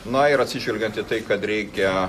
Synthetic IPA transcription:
nɐɪɾɐt̪ʲsʲɪʒʲʋʲɛlʲɡʲɛnt̪it̪ɐɪkɐt̪ɾʲɛɪkʲɛ

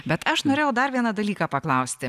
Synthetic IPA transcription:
bʲɛt̪ɐʃnoːɾʲeːjɛʊd̪ɐɾʋʲiɛnɐd̪ɐlʲiːkɑːpɐklˠɐʊsʲt̪ʲɪ

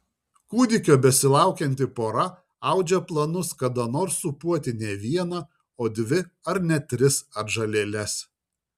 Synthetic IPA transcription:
kuːd̪ʲɪkʲoːbʲɛsʲɪlˠɑˑʊkʲɛnʲt̪ʲɪpoːɾɐ | ɐʊd͡ʒʲɛplˠɐnʊskɐd̪ɐnoːɾsːʊpuɔt̪ʲɪnʲɛʋʲiɛnɐ | oːd̪ʲʋʲɪɐɾnʲɛt̪ʲɾʲɪsɐɾʒɐlʲeːlʲɛs

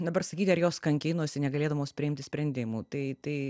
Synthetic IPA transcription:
d̪ɐbɐrsɐkʲiːt̪ʲɪɐɾjoːskɐŋʲkʲeɪnuɔsʲɪnʲɛɡɐlʲeːd̪ɐʋoːspʲɾʲɪɪmʲt̪ʲɪsʲpʲɾʲɛnʲd̪ʲɪmuːt̪ɐɪt̪ɐɪ

